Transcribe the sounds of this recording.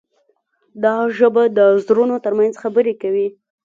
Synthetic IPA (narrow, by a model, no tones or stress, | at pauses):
d̪ɑʒəbad̪əzɾunot̪əɾmanzxabəɾekawi